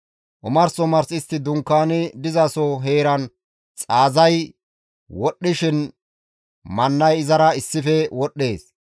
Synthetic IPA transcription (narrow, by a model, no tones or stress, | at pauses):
ʔʊmɐɾsɔmɐɾsɪst̪ːɪd̪ʊŋkːaːnɪd̪ɪzɐsɔɦe̞ːɾɐn | t͡sʼaːzɐj | wɔɗːɪʃɪn | mɐnːɐjɪzɐɾɐɪsːɪfɛwɔɗːeːs